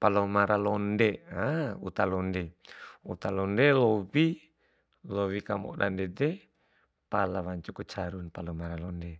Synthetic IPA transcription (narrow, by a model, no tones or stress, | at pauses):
palɔmaɾalɔndeaṵt̪alɔndɛṵt̪alɔndelɔwi | lowikamɔ̰da̰ndɛdɛ | palawaɲt͡ʃukut͡ʃaɾunpalɔmaɾalɔnde